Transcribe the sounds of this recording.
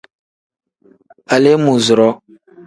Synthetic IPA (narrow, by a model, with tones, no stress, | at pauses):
a˨le˦mu˨zʊ˨ɾɔ˦